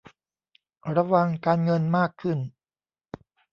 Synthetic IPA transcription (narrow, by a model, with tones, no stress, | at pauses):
ɾa˧wa˧ŋkaː˧nŋɤ˧nmaː˥˩kʰːɯ˥˩n